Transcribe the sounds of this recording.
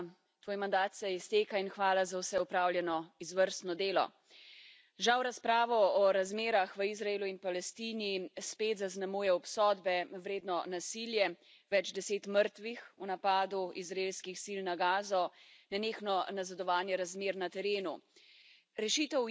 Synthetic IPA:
t̪ʋoːjmand̪aːt̪sɛjɛst̪eːkainxʋaːlazawsɛupɾawljɛnɔizʋəɾst̪nɔd̪eːlɔ̰ | ʒawɾaspɾaːʋɔɔɾazmeːɾaxʋəizɾaeːluinpalɛst̪iːnispeːt̪zaznamuːjɛɔpsɔːd̪bɛʋɾeːd̪nɔnasiljɛ | ʋɛd͡ʒd̪ɛseːt̪məɾt̪ʋixunapaːd̪uizɾaeːlskixsilnaɡaːzɔnɛneːxnɔnazad̪ɔʋaːnjɛɾazmeːɾnat̪ɛɾeːnu | ɾɛʃiːt̪ɛ

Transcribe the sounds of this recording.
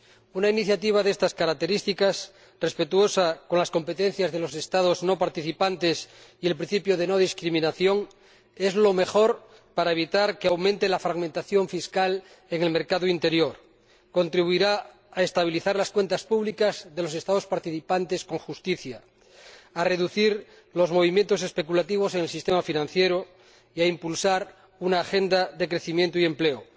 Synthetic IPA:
unainiθjat̪iβ̞aðe̞st̪askaɾak̚t̪e̞ɾist̪ikas | re̞spe̞t̪uo̞sako̞nlasko̞mpe̞t̪e̞n̟θjazðe̞lo̞se̞st̪að̞ozno̞paɾt̪iθipant̪esielpɾĩn̟θipjoðe̞no̞ð̞iskɾimĩnaθjo̞ŋ | e̞zlo̞me̞xo̞ɾ | paɾaeβ̞it̪aɾkeawmẽnt̪elafɾaɣmẽnt̪aθjo̞ɱfiskal | e̞ŋe̞lme̞ɾkaðoint̪e̞ɾjo̞ɾ | ko̞nt̪ɾiβuiɾaː | est̪aβ̞iliθaɾlaskwe̞nt̪aspuβlikazðe̞lo̞se̞st̪að̞o̞spaɾt̪iθipant̪e̞sko̞ŋxust̪iθjaː | re̞ðuθiɾ | lo̞zmo̞β̞imjent̪o̞se̞spekulat̪iβ̞o̞seŋelsist̪emafinãn̟θjeɾo | iaimpulsaɾ | unaːxe̞nd̪aðe̞kɾe̞θimjent̪oie̞mple̞o

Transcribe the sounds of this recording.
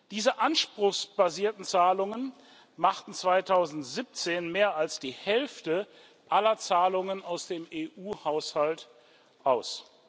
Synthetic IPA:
d̥iːzəʔanʃpʁ̥ʊxsb̥aziːɐtn̩t͡saːlʊŋən | maχtn̩t͡sv̥aɪtʰaʊzn̩tz̥ip̚t͡seːnmeːɐalsd̥iːhɛlftə | ʔalɐt͡saːlʊŋənaʊsd̥eːmeːʔuːhaʊshalt | ʔaʊs

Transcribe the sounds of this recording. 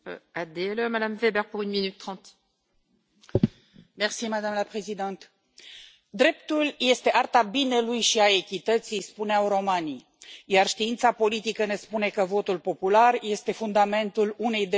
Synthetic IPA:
ad̪eɛlømad̪amvebɛʁpuʁynminyt̪ːχɑ̃t̪ | mersiməd̪amləpʁezid̪ant̪ | d̪ɾe̞p̚t̪ulje̞st̪e̞ʔart̪abine̞lujʃiae̞kʲit̪ət̪sijspuneawɾo̞mani | jarʃt̪iint̪sapo̞lit̪ikəne̞spune̞kəvo̞t̪ulpo̞pularje̞st̪e̞fund̪ame̞nt̪ulune̞jd̪e

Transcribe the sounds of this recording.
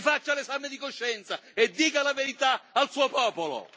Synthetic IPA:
fat͡ʃːalesamɪd̪ikoʃːɛnt̪saed̪ːiːkalaveɾit̪aalsuːopɔːpolo̰

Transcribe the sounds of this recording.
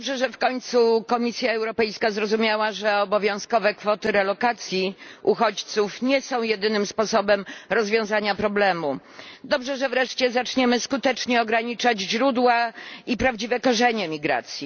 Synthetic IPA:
bʐɛʐɛfkɔɲt̪sukɔmʲisʲjaɛwɾɔpɛjskazɾɔzumʲjawaʐɛɔbɔvʲjɔ̃w̃skɔvɛkfɔt̪ɘɾɛlɔkat̪sʲjiʔuxɔt͡ɕt̪sufɲɛsɔ̃w̃jɛd̪ɘnɘmspɔsɔbɛmɾɔzvʲjɔ̃w̃zaɲapɾɔblɛmu | d̪ɔbʐɛʐɛvɾɛʂt͡ɕɛzat͡ʂɲɛmɘskut̪ɛt͡ʂɲɛɔɡɾaɲit͡ʂad͡ʑʑɾud̪waipɾavd͡ʑivɛkɔʐɛɲɛmʲiɡɾa̰t̪sʲji

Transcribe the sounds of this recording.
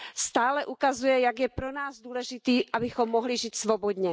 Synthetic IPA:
st̪aːlɛʔukazujɛjaɡjɛpɾonaːzd̪uːlɛʒɪt̪iːʔabɪxomːoɦlɪʒiːt̪svobod̪ɲɛ

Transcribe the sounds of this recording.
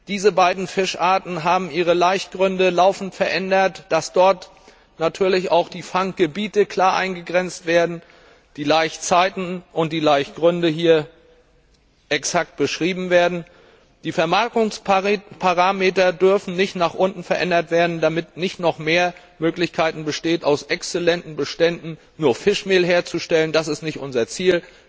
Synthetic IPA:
d̥iːzəbaɪdn̩fɪʃʔaːɐtn̩ɦaːbm̩ʔiːʁ̞əlaɪçtɡ̥ʁʏndəlaʊfn̩tfɛɐʔɛndɐtd̥asd̥ɔɐt | natʰyːɐlɪçaʊxd̥iːfaŋk̚ɡ̥əbiːtəkʰl̥aːɐʔa̰ɪnɡəɡʁɛnt͡stv̥eːɐdn̩ | d̥iːlaɪçt͡saɪtn̩ʔʊnt̚d̥iːlaɪçtɡ̥ʁʏndəɦiːɐ | ʔɛksak̚t̚b̥əʃʁ̥iːbm̩veːɐdn̩ | d̥iːfɛɐmaɐkʊŋspʰaʁaːmeːtɐdʏɐfn̩nɪçtnaːχʔʊntn̩fɛɐʔɛndɐtv̥eːɐdn̩damɪt̚nɪçtnɔχmeːɐ | møːklɪçkʰaɪtn̩bəʃteːtaʊsʔɛkst͡sɛlɛntn̩bəʃtɛndn̩ | nuːɐfɪʃmeːlɦeːɐt͡suʃtɛləndasɪstnɪçtʔʊnzɐt͡siːl

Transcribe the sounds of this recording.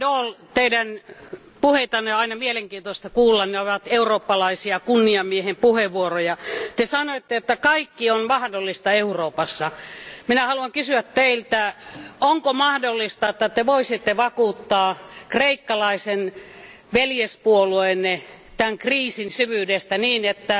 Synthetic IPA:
doːlt̪eidæn | puhet̪ɑnːeɑinɑmieleŋkiːnt̪oist̪ɑkuːlːɑnneoʋɑt̪euroːpːɑlɑisiɑkunːiɑmiehempuheʋʋuorojɑt̪esɑnoit̪ːeot̪ːækɑikːionmɑhdolːist̪ɑeuroːpɑsːɑminæhɑluɑŋkysyæt̪t̪eilt̪æoŋkomɑhdolːist̪ɑet̪ːæt̪eʋoisit̪ːeʋɑkuːt̪ːɑːkreikːɑlɑisen | ʋeljespuolueˑnːe | t̪æŋkriːsinsyʋyːdest̪æniːnet̪ːæ

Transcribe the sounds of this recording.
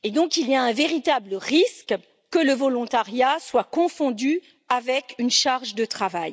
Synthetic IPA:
ed̪ɔ̃kiliaɛ̃veʁit̪abləʁisk | kələvɔlɔ̃t̪aʁjaswakɔ̃fɔ̃d̪y | avɛkynʃaʁʒd̪ət̪χavaj

